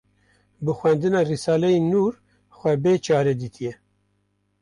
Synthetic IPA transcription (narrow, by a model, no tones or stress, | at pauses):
bɨxwɛnd̪ɨnɑːrisɑːlɛjinuːɾ | xʷɛbeːt͡ʃʰɑːɾed̪iːt̪ʰijɛ